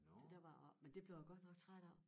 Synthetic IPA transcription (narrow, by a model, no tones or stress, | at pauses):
d̥e̝d̥æɐʋɑ̈mend̥e̝b̥le̝ʊjæɡ̥ɒ̽d̥nɒ̽ɡ̥̚t͡sʰʁad̥ɒʊ̰